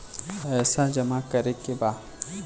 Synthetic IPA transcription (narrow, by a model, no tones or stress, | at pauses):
ɛːsad͡ʒɐmakɐɾekebaː